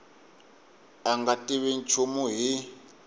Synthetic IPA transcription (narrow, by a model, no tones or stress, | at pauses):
aŋɡatʼiβin̩t͡ʃʰumuɦi